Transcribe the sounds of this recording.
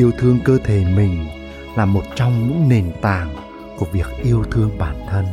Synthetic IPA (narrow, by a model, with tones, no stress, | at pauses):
ʔi˧əwt̪ʰɨ˧əŋkəː˧t̪ʰe˧˩˦mï˨˩ŋ̟ | laː˨˩mo˨˩t̚t͡ɕɔ˧wŋ͡mɲɨ̰˧˥ŋne˨˩nt̪aː˨˩ŋ | ku˧˩əvi˨˩ək̚ʔi˧əwt̪ʰɨ˧əŋɓaː˧˩nt̪ʰə˧n